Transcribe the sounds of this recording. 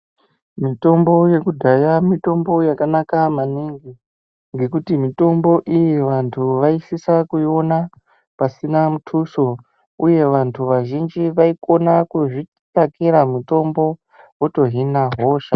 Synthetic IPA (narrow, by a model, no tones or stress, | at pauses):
mito̞mbo̞je̞kudʱajamito̞mbo̞jakanakamaniŋɡi | ŋɡe̞kutimito̞mbo̞ʔijiʋantʰuʋaisisakuio̞na | pasinamutʰuso̞ | uje̞ʋantʰuʋaʒind͡ʒiʋaiko̞nakuʐi | takiɾamuto̞mbo̞ | woto̞ɦinaɦo̞ːʃa